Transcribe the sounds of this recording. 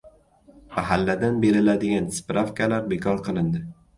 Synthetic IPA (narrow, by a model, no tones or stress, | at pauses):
maɦalːad̪anbe̞ɾɪlad̪ɪɡʲanspɾafkalaɾbekʰɒɾqʰɨlˠɪnd̪ɪ